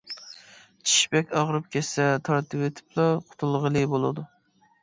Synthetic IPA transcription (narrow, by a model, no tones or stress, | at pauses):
t͡ʃʰi̥ʃpɛkʲɑʁɾɨp̚kʲʰɛsɛt̪ʰɑɾt̪ʰɨpwet̪ʰɪ̥plˠɑqʰʊ̥t̪ʰulˠʁəlˠɨbolˠɨd̪u